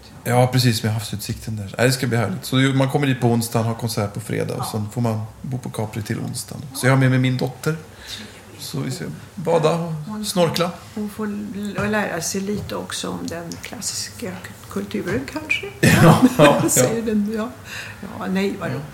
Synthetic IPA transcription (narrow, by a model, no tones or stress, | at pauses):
jɑːpʰɾɛs̬iːsːɔmjaɦaftsʉ̟ːt̪sɪkt̪ʰənd̪ænæ̰d̪ɛskabliːhæːɭɪɡt̪sɔd̪jmankʰɔmːəɾɖiːt̪pʰɔʊnst̪anhaɾkʰɔnsæːʈpʰɔfɾḛːd̪a̰ːɔsɛnfoɾmanbuːpʰɔkʰɑːpɾɪt̪ʰɪlʔʊ̰nst̪ʰa̰nɔsɔjɑhaɾmɛmɛmɪnd̪ɔt̪ʰːəɾ | sɔvɪska̰ | bɑːd̪aɔsnɔɾkla | ɔfoːlæːɾasɛjliːt̪əɔksɔɔmd̪ɛnkʰlasɪ̥ka | kʰɵlt̪ʰʉːɾənkʰanʂəj | sɛjəɖɛnjɑ | jɑ̰ːnɛjvadɔ